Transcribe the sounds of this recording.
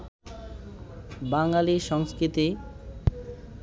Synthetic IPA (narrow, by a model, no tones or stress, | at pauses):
baŋlaliʃɔŋskɾit̪i